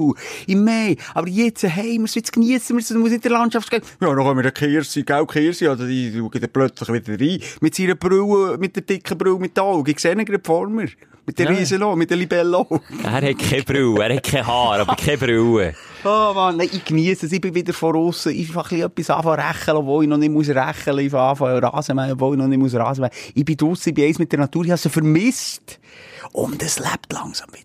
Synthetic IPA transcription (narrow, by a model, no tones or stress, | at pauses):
ɪmɛɪɑbəɾjɛt͡səɦɛɪməsʋɪt͡skniəsəməɾsəmuəsnɪt̚dəlɑntt͡ʃɑftkɛjɑːnoχœmɪɾdɑkχeːɾsiːɡ̥awkχeːɾsiːɑlsoiuɡɪt̪plœt͡sləχvʋɪd̪əɾdɾiːmɪtsiɾəb̥ɾʉwəmɪt̚dəɾd̥ɪkχəbɾʉːmɪt̚dəɔwɡɪksenəɡɾəpfɔɾməɾ | mɪt̚d̥əɾiːsənomɪt̚ːəlibɛlːoæ̰ːhɛtkʰɛb̥ɾyːæːɾhɛt̚kʰɛɦɑːɾɑbəɾkʰɛbɾywə | omɑnnɛɪʔɪkniəsəsɪbɪvɪd̪əɾfɔɾʊsəʔɪfɑχliœpːisɑ̰ːfɑɾæχəlɔbvoːlinɔnɪtmuəs̬ɾæχələɪfɑːfɑɾɑ̰ːsəmæɔbvoːlinɔnɪtmuəs̬ɾɑːsəmæɪbɪd̪ʊsːəɪbɪɛɪsmɪt̚d̥ɛɾnɑt̪uːɾɪhɑsofəɾmɪstʔʊ̰ndəslæ̰pt̪lɑ̰ŋsɑ̥mvɪd̥ɾ